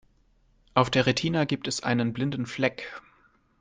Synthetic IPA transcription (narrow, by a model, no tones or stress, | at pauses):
ʔaʊfd̥eːɐʁetʰiːnəɡiːp̚tɛsʔa̰ɪnənblɪndn̩flɛk